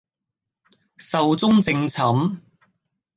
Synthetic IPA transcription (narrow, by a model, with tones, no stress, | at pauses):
sɐ˨wt͡sʊ˥ŋt͡sɪ˧ŋt͡sʰɐ˨˥m